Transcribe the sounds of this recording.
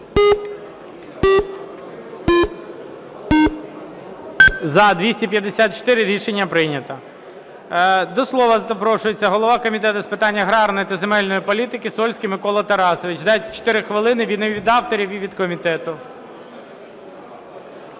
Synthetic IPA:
zɐd̪ʋʲisʲtʲipʲjɐd̪esʲat̪̚t͡ʃɔ̥t̪ɪɾɪɾʲiʃenʲːɐpɾɪnʲɐt̪ɐ | d̪ɔslˠɔʋɐpɾɔʃʊjet͡sʲːɐɦɔlˠɔʋɑkɔmʲit̪ɛt̪ʊspɪt̪ɑnʲːɐɦɾɑɾnɔjit̪ɐzemɛlʲnɔjipɔlʲit̪ɪkɪsɔlʲsʲkʲɪmɪkɔlˠɐt̪ɐɾɑsɔʋɪt͡ʃd̪ɑtʲt͡ʃɔ̥t̪ɪɾɪxʋɪlˠɪnɪʋʲid̪neʋʲid̪ɑwt̪ɔɾʲiʋʲiʋʲid̪kɔmʲit̪ɛt̪ʊ

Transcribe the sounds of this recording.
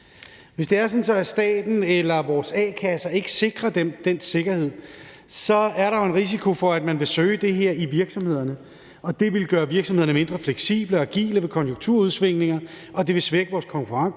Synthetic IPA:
ʋe̝sd̥e̝æɐsɒ̽n̩sɒ̽æsd̥ɛ̰ːd̥n̩elɐʋɒːsɛːkʰæsɐe̝ɡ̥ə̥se̝ɡ̥ʁɐd̥emd̥ense̝ɡ̥ɐhe̝ð̞̰ˠ | sɒ̽æɐɾɑ̈jo̝e̝nʁis̬ikʰo̝fɒ̽æd̥mænʋe̝søːd̥e̝ɦe̝ɐ̰iʋiɐɡ̥sɒ̽mhe̝ð̞̰ˠɐnə | ɒ̽d̥e̝ʋe̝lɡ̥ɶːɐʋiɐɡ̥sɒ̽mheɐnəme̝nd̥ʁɐfleɡ̥sḭːb̥ləɒɡ̥ḭːləʋe̝kʰɒ̽njo̝ŋt͡sʰuɐ̰uð̞ˠsʋe̝ŋ̰ne̝ŋɐ | ʔɒ̽d̥e̝ʋe̝sʋeɡ̥əʋɒːskʰɒ̽ŋkʰuʁɑ̈ŋ

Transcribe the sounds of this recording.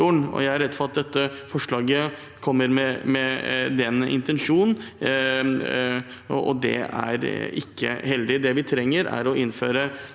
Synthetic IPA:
uːɳɔ̰jæɪɑɾːɛd̪fɔɾɑt̪̚d̪ɛt̪ːəfɔʂɭɑːɡə | kʰɔmːəɾmɛmɛd̪ɛnːəʔɪ̰nt̪ɛnʂuːnn | ɔ̰d̪ɛ̰æ̰ɾɪkʰːə̰hɛld̪ɪd̪ɛʋɪt̪ʰɾɛŋːəɾæ̰ɾɔʔɪnːføːɾə

